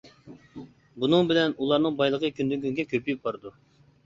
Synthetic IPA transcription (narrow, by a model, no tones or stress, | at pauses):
bunɨŋbɪlɛnulˠɑɾnɨŋbɑjlˠəqʰəkʲʰynd̪yŋkʲyŋɡʲɛkʲʰøpijyp̚bɑɾɨd̪u